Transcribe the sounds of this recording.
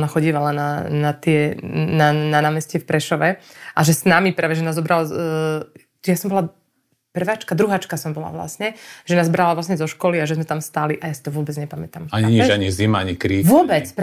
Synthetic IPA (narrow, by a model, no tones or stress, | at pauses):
naxɔɟiːʋalananat̪ɪɛnananaːmɛscɛfpɾɛʃɔʋɛʔaʒɛsnamipɾaːʋɛʒɛnaːzzɔbɾal | jasɔmbɔla | pr̩ʋaːt͡ʃkad̪ɾuɦaːt͡ʃkasɔmbɔla̰ʋla̰sɲɛʒɛnaːzbɾalaʋlasɲɛzɔʃkɔliaʒɛzmɛt̪amst̪aːliʔajasi̥t̪ɔʋʊɔbɛd͡zɲɛpamɛt̪amaɲiɲiɛaɲizimaaɲikɾiːʋʊɔbɛt͡sp